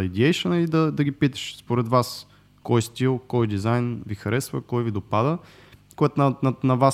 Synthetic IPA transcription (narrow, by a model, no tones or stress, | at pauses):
id̪iɛjʃənəid̪ɐd̪ɐɡipit̪ə̥ʃspoɾɛd̪vas | kɔjst̪ilˠkɔjd̪izajnvixɐɾɛsvə̰kɔjvid̪opad̪ə | koɛt̪nɐnɐnɐvas